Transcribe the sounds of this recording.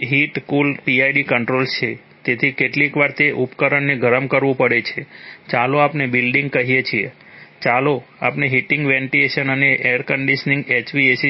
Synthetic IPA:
ɦiʈkulpiajɖikəɳʈɾolt͡ʃʰe | t̪et̪ʰikeʈlikʋaɾt̪eʔupkəɾəɳːeɡʱəɾəmkəɾʋũpəɽet͡ʃʰet͡ʃaloapnebilɖiŋɡ̚kəɦijet͡ʃʰie | t͡ʃalo | a̰pneɦiʈiŋɡʋẽɳʈileʃənəneʔeəɾkəɳɖiʃənĩŋɡet͡ʃʋiesi

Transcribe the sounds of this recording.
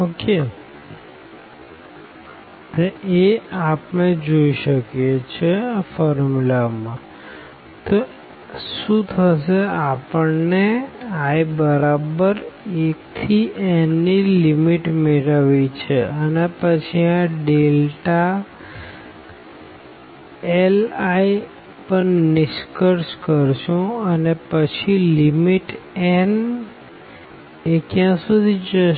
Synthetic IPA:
oke | eapned͡ʒoiʃəkjet͡ʃʰeafɔɾmulamã | t̪o | ʃũt̪ʰəʃeapəɳneajbəɾabəɾek̚t̪ʰiʔenilimiʈmeɾəʋit͡ʃʰeənepət͡ʃʰiãɖelʈa | elaj | pəɾnɪʃkəɾskəɾʃũənepət͡ʃʰilimiʈɛn | ekjãsud̪ʱid͡ʒə

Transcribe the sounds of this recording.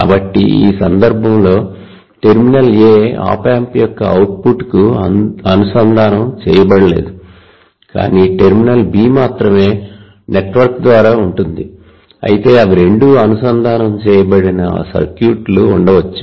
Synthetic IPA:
ka̰ːbɐʈːḭḭːsɐnd̪ɐɾbʱɐmlo̞ː | ʈe̞ɾminɐleːa̰ːpaːmpijɔkːɐɐwʈ̚puʈkuɐnusɐnd̪ʱaːnɐmt͡ʃɛ̰ːjɐbɐɽɐle̞̰ːd̪u | ka̰ːniːʈe̞ɾminɐlbiːmaːt̪ɾɐme̞ː | neʈʋɐɾkd̪ʋaːɾaːuɳʈund̪i | ɐ̰jit̪e̞ːɐʋiɾe̞ɳɖuɐnusɐnd̪ʱaːnɐmt͡ʃɛːjɐbɐɽinɐ̰sɐ̰ɾkjuːʈluːɳɖɐʋɐt͡ʃːi

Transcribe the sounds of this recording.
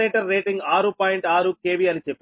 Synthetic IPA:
eːʈɐɾːeːʈiŋɡaːɾupaːjiɳʈaːɾuke̞ːbiɐnit͡ʃepː

